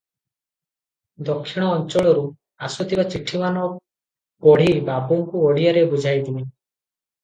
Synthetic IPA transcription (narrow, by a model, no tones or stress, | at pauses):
d̪ɔkʰːiɽ̃ɔːnt͡ʃɔɭɔɾu | asut̪ʰibat͡ʃiʈʰimanɔ | pɔɽ̤ibabɔŋkuɔɽijaɾebud͡ʒʱajd̪ibe